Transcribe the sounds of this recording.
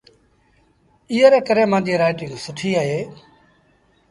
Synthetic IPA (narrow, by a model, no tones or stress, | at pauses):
ɪːəɾeːkəɾẽːmãːd͡ʒiːɾaːɪʈɪ̃ŋɡsʊʈʰiːaːɦeː